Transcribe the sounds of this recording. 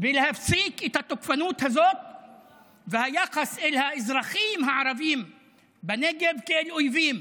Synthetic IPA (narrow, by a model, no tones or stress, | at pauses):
bɪlhæfsiːkʔɪt̪at̪ʊkfanuːt̪hazoːk̚ | vahajɑqɑsʔɪlhæʔɪzɾˤɑxiːmɦaʕɾˤɑviːm | bæneɡebkelʔojviːm